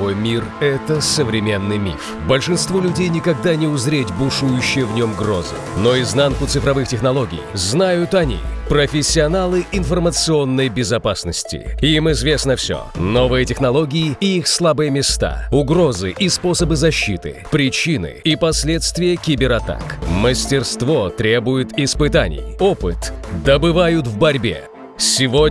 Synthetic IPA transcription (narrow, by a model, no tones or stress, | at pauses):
ojmʲirɛt̪əsəvɾʲɪmʲe̞nːɨjmʲḭf | bəlʲʂɨnst̪volʲʉdʲejnʲɪkɐɡd̪anʲɪʊzɾʲetʲbʊʂujʊɕːɪjəvnʲo̞mɡro̞̰zə̰no̞ɪznankʊt̪sɨfɾɐvɨxtʲɪxnɐlˠo̞ɡʲɪ̰jznajʊt̪ɐnʲḭpɾəfʲɪsʲːɪɐnalˠɨɪnfərmət̪sɨo̞nːəjbʲɪzɐpasnəsʲtʲɪ̰imɪzvʲe̞snəfsʲo̰novɨjətʲɪxnɐlˠo̞ɡʲɪɪːixslˠabɨjəmʲɪst̪a̰ʊɡɾozɨʔispo̞səbɨzɐɕːḭt̪ɨ̰pɾʲɪt͡ɕinɨ̰ipɐsʲlʲet̪st̪vʲɪjəkʲibʲɪɾɐt̪a̰kməsʲtʲɪrst̪vo̞t̪ɾʲe̞bʊjɪt̪ɪspɨt̪a̰nʲɪ̰jopɨt̪d̪əbɨvajʊt̪vbɐɾʲbʲḛ | sʲɪvo